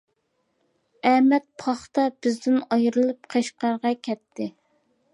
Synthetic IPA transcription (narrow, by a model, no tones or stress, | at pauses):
ɛmɛt̪̚pʰɑχt̪ɑb̥ɪzd̪ɪnɑjɾɨlˠɨp̚qʰeʃqɑɾʁɑkʲʰɛt̪ʰːɪ